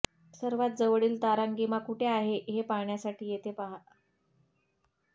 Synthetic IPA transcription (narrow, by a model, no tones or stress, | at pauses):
səɾʋat̪̚d͡zəʋɽiːlt̪aɾaŋɡimakuʈʰeaɦeʔɦepaɳjasaʈʰiːjet̪ʰepaɦa